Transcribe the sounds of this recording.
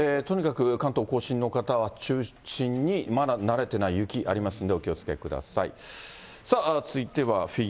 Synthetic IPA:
et̪o̞ɲ̟ikakɯ̟kãnt̪o̞ːko̞ːɕĩnːo̞kat̪aβat͡ɕɨːɕĩɲ̟ːimad̪anaɾe̞t̪e̞naijɯ̟kʲiʔaɾʲimasɨ̃nd̪e̞okʲio̞t͡sɨ̥kekɯ̟d̪a̰saḭ | sat͡sɨit̪e̞βaɸʲi

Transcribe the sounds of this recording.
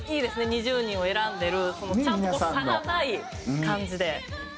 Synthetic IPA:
ide̞sɯneɲid͡ʑuɲioeɾande̞ɾɯsʰonot͡ɕʰamokananai | kand͡ʑide̞

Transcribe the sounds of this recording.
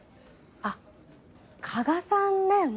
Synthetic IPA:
a | kʰaɡasãnːajon

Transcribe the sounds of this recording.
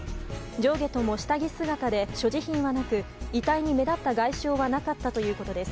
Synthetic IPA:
d͡ʑo̞ːɡe̞t̪o̞mo̞ɕi̥t̪aɡʲisɨɡat̪ad̪e̞ɕo̞ʑiçĩɰ̃βanakɯ̟it̪aiɲ̟ime̞d̪at̪ːaɡaiɕo̞ːβanakat̪ːat̪o̞jɯ̟ːko̞t̪o̞d̪e̞sɨ̥

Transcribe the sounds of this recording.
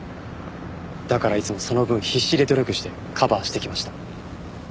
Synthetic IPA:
d̪̥akaɾait͡sɨmo̞so̞no̞bɯ̟̃ɰ̃çiɕːid̪e̞d̪o̞ɾʲo̞kɯ̟ɕi̥t̪e̞ | kʰabaːɕi̥t̪e̞kʲimaɕi̥t̪ḁ

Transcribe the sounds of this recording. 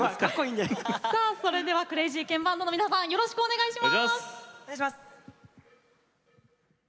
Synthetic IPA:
akakːoĩːnd̪esaːso̞ɾe̞d̪e̞β̞akɯ̟ɾe̞ʑiːkẽ̞mbãnd̪onmʲinasãɰ̃joɾo̞ɕi̥kɯ̟one̞ɡaiɕimaseajɕ̬imas

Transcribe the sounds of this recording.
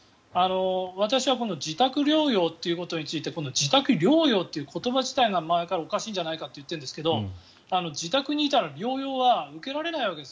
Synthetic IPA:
ano̞β̞at̪aɕiβakõ̞nd̪od͡ʑit̪akɯ̟ɾʲo̞ːjo̞ːt̪ːe̞iɯ̟ko̞t̪o̞ɲ̟it͡sɨit̪eko̞nd̪od͡ʑit̪akɯ̟ɾʲo̞ːjo̞ːt̪ːe̞iɯ̟ːkʰo̞t̪o̞baʑit̪aiɡamaekaɾao̞kaɕiːɲd͡ʑanaikat̪ːe̞jɯ̟t̪ːẽ̞nd̪eske̞d̪o̞ | ano̞d͡ʑit̪akɯ̟ɲ̟iːt̪aɾaɾʲo̞ːjo̞ːβaɯ̟ke̞ɾaɾe̞naiβ̞ake̞d̪e

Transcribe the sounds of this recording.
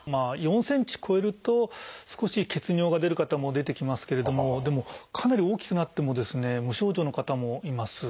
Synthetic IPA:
maːjõ̞ɰ̃sẽ̞ɲ̟t͡ɕi̥kʰo̞e̞ɾɯ̟t̪o̞sɨ̥ko̞ɕike̞t͡sɨɲʲo̞ːɡad̪e̞ɾɯ̟kat̪amo̞d̪e̞t̪e̞kʲimasɨ̥ke̞ɾe̞d̪o̞mo̞d̪e̞mo̞kʰanaɾʲioːkʲi̥kɯ̟nat̪ːe̞mo̞d̪e̞sɨne̞mɯ̟ɕo̞ːʑo̞ːnokat̪amo̞imasɨ

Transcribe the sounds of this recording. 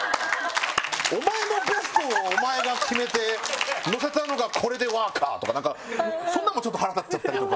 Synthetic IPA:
omae̞no̞ɡe̞sɨ̥t̪o̞ːomae̞ɡakʲime̞t̪e̞no̞se̞t̪ano̞ɡakʰo̞ɾe̞d̪e̞βaːka̰ːt̪o̞kanãŋkamosõnːamːot͡ɕo̞t̪ːohaɾat̪ḁt͡ɕːat̪ːaɾʲit̪o̞ka

